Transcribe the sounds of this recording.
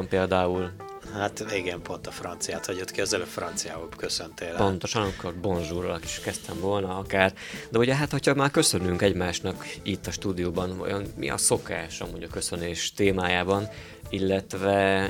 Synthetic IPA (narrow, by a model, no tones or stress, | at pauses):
mpeːld̪aːul | hat̪eɡɛmpo̞nt̪ɒfrɒnt̪sijaːt̪hɒɟot̪kiɒzɛløfrɒnt̪sija̰ːɦolkøsønt̪eːlpo̞nt̪o̞ʃɒnɒmikːorbo̞nʒuːɾolɒki̥ʃkɛst̪ʰɛɱvo̞lnɒɒkaːr | d̪ɛuɟɛɦat̪hocʰhɒmaːrkø̞sø̞nyŋkɛɟmaːʃnɒkit̪ːɒʃt̪uːd̪ijoːbɒnvɒ̰jo̞nmḭʔɒ̰so̞kaːʃɒ̰muɟɒkø̞sø̞neːʃt̪eːmaːjaːbɒn | ilːɛt̪vɛ